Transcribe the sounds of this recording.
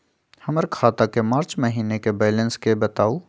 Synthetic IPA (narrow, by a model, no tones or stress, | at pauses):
hɐməɾkʰaːt̪akemaːɾt͡ʃməɦiːnekebɛːlə̃nskebɐt̪aːu